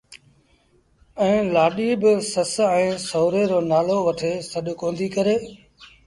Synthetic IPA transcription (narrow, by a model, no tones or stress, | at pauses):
ɛ̃ːlaːɗiːbɪsəsɛ̃ːsoːɾeːɾoːnaːloːʋəʈʰeːsəɗʊkõːnd̪ʱiːkəɾeː